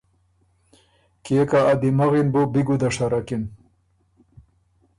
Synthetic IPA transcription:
keːkaːd̪imaɣinbobiɡud̪aʂaɾakin

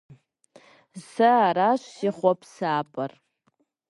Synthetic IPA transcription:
saːɾaʃʷsiχʷɔpʰsaːpʼar

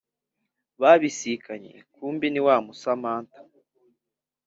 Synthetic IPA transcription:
βaβisikaɲḛkuːmbiniwaːmusamaːntḁ

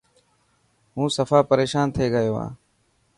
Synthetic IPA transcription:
ɦũːsəfaːpəɾeːʃaːnt̪ʰeːɡəjoːa̰ː

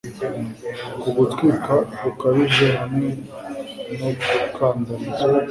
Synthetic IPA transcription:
kuɡutɡikakukaβiʒeɦamŋe | nokʰaːndonze

